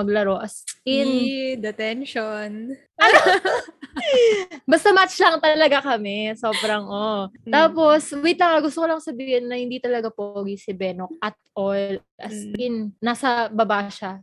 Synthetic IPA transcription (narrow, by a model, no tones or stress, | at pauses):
mɐɡlɐɾo̞ʔɐskɪnd̪ɛt̪ɛnʃon | ɐno | bɐst̪ɐmat͡ʃlɐŋt̪ɐlɐɡakɐmɛso̞ːbɾɐŋʔot̪aːpo̞swit̪lɐŋɐɡʊst̪okolɐŋsɐbiːhɪnːɐhɪnd̪it̪ɐlɐɡapoɡisɪbɛːnok̚ʔɐt̪̚ʔol | ʔɐskɪnːasɐbɐbaʃa